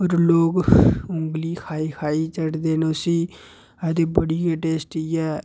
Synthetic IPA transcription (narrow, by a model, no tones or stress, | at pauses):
oːɾloːɡʊŋɡliːkʰaːiːkʰaːiːt͡ʃəɽd̪eːnʊsiː | ɛd̪eːbəɽiːəʈeːsʈiːɛː